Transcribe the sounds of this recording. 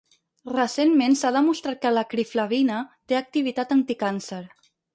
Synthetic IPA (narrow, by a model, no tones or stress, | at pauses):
rəsenmensaðəmust̪ɾat̪̚kələkɾiflaβinət̪eək̚t̪iβ̞it̪at̪ənt̪ikansəɾ